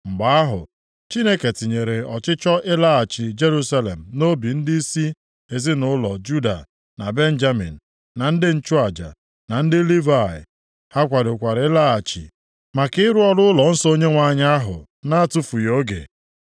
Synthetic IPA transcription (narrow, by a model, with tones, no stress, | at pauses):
ŋ͡m̩˨ɡ͡ba˦a˦ɦʊ̰˨ | t͡ʃi˦ne˦ke˨ti˨ɲe˨ɾe˨ɔ˨t͡ʃɪ˦t͡ʃɔ˦ʔɪ˦la˦a˨t͡ʃi˨d͡ʒe˦ɾu˦sa˦le˨m̩˨no˦bi˨n̩˦di˦i˦si˦ | e˨zɪ˦nʊ˦lɔ˨d͡ʒu˦da̰˨ | na˨be˦n̩˦d͡ʒa˦mḭ˨n̩˨ | na˨n̩˦dɪ˦n̩˦t͡ʃu˦a˨d͡ʒa̰˨ | na˨n̩˦dɪ˦li˦va˨ɪ̰˨ | ha˦kʷa˨dʊ˨kʷa˨ɾɪ˦la˦a˨t͡ʃḭ˨ | ma˨kɪ˦ɪ˦ɾʊ˦ɔ˦lʊ˦ʊ˦lɔ˨n̩˦sɔ˦o˦ɲe˦ŋʷa˨ɲ˦a˦ɦʊ̰˨ | na˦a˦tʊ˦fu˨jo˦ɡḛ˨